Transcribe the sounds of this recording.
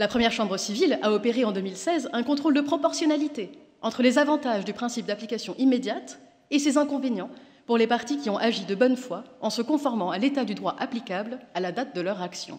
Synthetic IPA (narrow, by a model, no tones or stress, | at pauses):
lapχəmjɛʁʃɑ̃bʁəsivilaɔpeʁeɑ̃d̪ømilsɛzɛ̃kɔ̃t̪χold̪əpχɔpɔʁsjɔnalit̪e | ɑ̃t̪χəlezavɑ̃t̪aʒd̪ypχɛ̃sip̚d̪aplikasjɔ̃ʔimed̪jat̪ | esezɛ̃kɔ̃venjɑ̃ | puʁlepaʁt̪ikʲiɔ̃ʔaʒid̪əbɔnfwaɑ̃səkɔ̃fɔʁmɑ̃alet̪ad̪yd̪ʁwaʔaplikablalad̪at̪̚d̪əlœʁaksjɔ̰̃